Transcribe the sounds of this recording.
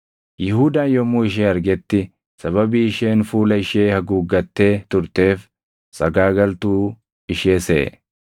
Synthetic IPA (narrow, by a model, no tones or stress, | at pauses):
jɪhuːd̪aːjɔmːuːɪʃ̬eːɐɾɡɛt̪ːɪ | sɐβɐbiːɪʃe̞ːnfuːlɐɪʃeːhɐɡuːɡːɐt̪ːe̞ːt̪ʊɾt̪e̞ːf | sɐɡaːɡɐlt̪uː | ɪʃeːsɛ̰ʔɛ̰